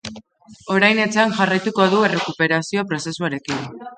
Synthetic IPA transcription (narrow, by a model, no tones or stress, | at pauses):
o̞ɾajne̞t͡sanʝarajt̪uko̞ðue̞re̞kupe̞ɾasio̞pɾo̞se̞suaɾe̞kin